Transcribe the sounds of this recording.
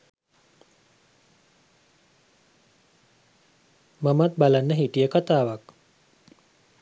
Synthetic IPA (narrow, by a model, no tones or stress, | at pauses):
mamat̪̚balanːəɦiʈijəkat̪aːʋak